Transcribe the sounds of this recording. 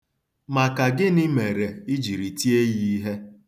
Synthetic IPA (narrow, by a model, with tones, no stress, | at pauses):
ma˨ka˨ɡɪ˦nɪ˦me˨ɾe˨i˦d͡ʒi˨ɾi˨ti˦e˦ji˦ɦe˦